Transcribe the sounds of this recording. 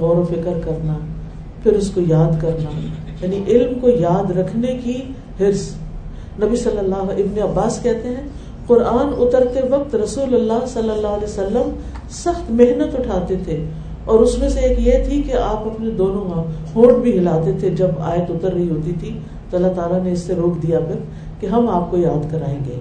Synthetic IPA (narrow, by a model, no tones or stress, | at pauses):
ɣɔːɾõfɪkəɾkɐɾna | pʰɪɾʊskojaːd̪kɐɾna | jaːniʔɪlmkojaːd̪ɾɐkʰneki | hɪɾs | nɐbisɐlːəlːaːɪbneɐbːaːskɛɦt̪eɦɛ̃ː | qʊɾaːnʊt̪əɾt̪eʋɐq̚t̪ɾɐsuːlɐlːaːɦsɐlːəlːaːɦəlɛːsɐlːəm | sɐxt̪meɦnət̪ʊʈʰaːt̪et̪ʰe | ɔːɾʊsmẽseeːkjet̪ʰikeaːpɐpned̪oːnõãhõːɾɖbʱiɦɪlaːt̪et̪ʰed͡ʒɐba̰ːjət̪ʊt̪əɾːɐɦiɦoːt̪it̪ʰi | t̪oɐlːat̪aːlaneɪsːeɾoːkʰd̪ijafɪɾ | keɦɐmaːp̚kojaːd̪kɐɾa̰ːẽːŋɡḛː